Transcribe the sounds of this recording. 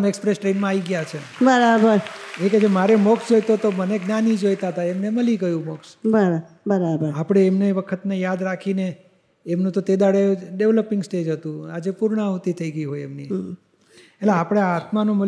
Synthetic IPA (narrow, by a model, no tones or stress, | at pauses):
mekspɾesʈɾenmãaʋiɡjat͡ʃʰebəɾabəɾeked͡ʒemaɾemɔksd͡ʒojt̪ot̪oməneɡnanid͡ʒojt̪aɦt̪aemneməlikəjũmɔksbəɾa | bəɾabəɾapɽ̃eːmneʋəkʰət̪nejad̪ɾakʰineː | mnũt̪ot̪ed̪aɽeɖeʋləpĩŋɡsʈed͡ʒɦət̪ũad͡ʒepuɾɳaɦut̪it̪ʰəiɡəiɦojemni | eleapɽ̃eaat̪manũmə